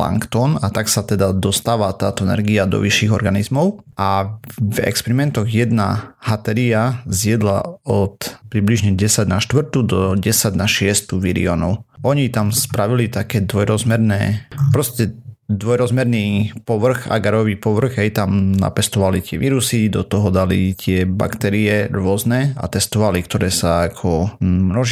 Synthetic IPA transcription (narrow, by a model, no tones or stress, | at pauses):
la̰ŋkt̪ɔnat̪aksat̪ɛd̪ad̪ɔst̪aːʋat̪aːt̪ɔɛnɛ̰ɾɡiad̪ɔ̰ʋiʃːiːɣɔ̰ɾɡanizmɔʊʔavɛ̰kspɛɾimɛnt̪ɔɣjɛd̪na̰hat̪ɛɾiazjɛd̪la̰ɔt̪pɾibliʒɲɛɟɛsaɟnaʃt̪ʋr̩t̪ud̪ɔɟɛsaɟnaʃɪɛst̪uʋḭɾḭɔ̰nɔʊʔɔɲit̪amspɾaʋilit̪akɛːd̪ʋɔjɾɔzmɛɾnɛːpɾɔscɛd̪ʋɔjɾɔzmɛɾnipɔʋr̩ɣa̰ɡaɾɔʋiːpɔʋr̩ɣɦɛjt̪amna̰pɛst̪ɔʋalit̪ɪɛ̰ʋiːɾusid̪ɔt̪ɔɦɔd̪alḭt̪ɪɛba̰kt̪ɛɾiɛɾʊɔznɛa̰t̪ɛst̪ɔʋalikt̪ɔɾɛːsaakʰɔmnɔʒ